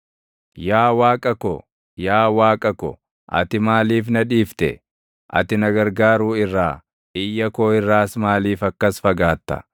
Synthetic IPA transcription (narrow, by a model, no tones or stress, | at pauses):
jaːwaːkʼɐkɔ | jaːwaːkʼɐkɔ̰ | ʔɐ̰t̪ɪmaːliːfnɐᶑiːft̪ɛ̰ | ʔɐ̰t̪ɪnɐɡɐɾɡaːɾuːɪrːaː | ʔɪjːɐkoːɪrːaːsmaːliːfɐkːɐsfɐɡaːt̪ːɐ̰